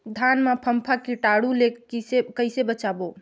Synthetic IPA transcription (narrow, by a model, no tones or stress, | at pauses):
d̪ʱanmapʰəmpʰakiʈaɽulekisekəɪsebət͡ʃabo